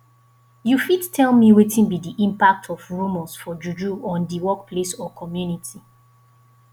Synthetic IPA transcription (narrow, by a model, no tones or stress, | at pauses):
jufittʰɛlmiwetʰĩnbidiʔĩmpak̚tʰɔfɹomɔ̃sfɔd͡ʒud͡ʒuɔ̃ndiwɔk̚pʰlesɔkʰɔmjunitʰi